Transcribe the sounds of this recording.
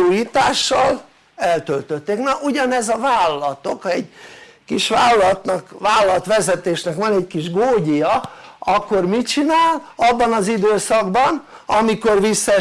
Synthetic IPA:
uːjiːt̪aːʃːɒl | ɛlt̪ølt̪øt̪ːeːknɒʔuɟɒnɛzɒvaːlːɒlɒt̪okɛɟ | kiʃʋaːlːɒlɒt̪nɒkʋaːlɒlɒt̪ʋɛzɛt̪eːʃnɛkʋɒnɛckiʒɡoːɟijɒɒkːo̞rmit͡ʃinaːlɒbːɒnɒzid̪øːsɒɡbɒn | ɒmiko̞rʋisːɛ

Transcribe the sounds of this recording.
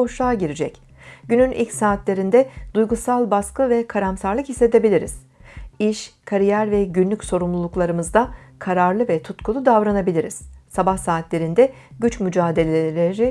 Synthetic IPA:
o̞ʃlˠaːɟiɾid͡ʒɛc | ɟ̥ynynʔḭlʲcsaːt̪lʲe̞ɾind̪ɛd̪̥ujɡusalˠbaskɯvɛkʰaɾamsaɾlˠɯkhisːe̞t̪e̞bilʲiɾḭz̥ | iʃkʰaɾijæɾvɛɟynlʲycʲso̞ɾumlˠulˠuklˠaɾɯmɯzd̪akʰaɾaɾlˠɯvɛt̪ʰut̪kʰulˠud̪avɾanabilʲiɾiz̥sabahsaːt̪ʰlʲe̞ɾind̪ɛ | ɟyt͡ʃmyd͡ʒaːd̪e̞lʲelʲeɾi

